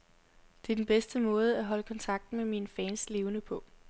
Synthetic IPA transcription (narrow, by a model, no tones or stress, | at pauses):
d̥e̝ɐd̥enb̥esd̥əmɔ̽ːð̞̩ˠəæɦɒ̽ləkʰɒ̽nt͡sʰɑ̈ɡ̥̚d̥n̩meminfɛnsle̝ːʊnəpʰɒ̽